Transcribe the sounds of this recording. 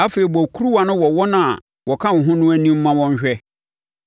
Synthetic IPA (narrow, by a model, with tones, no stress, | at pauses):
a˦fe˨i˨bɔ˨kʰu˦ɾu˦wa˨nʊ̃˦wɔ˨wɔ˦nã˨a˨ | wɔ˨kʰã˦n̩˨ɦʊ̃˦nʊ̃˦æ˦nĩ˦m̩˦mã˦wɔ̃˦ɲ̩˦ɕᶣɛ˦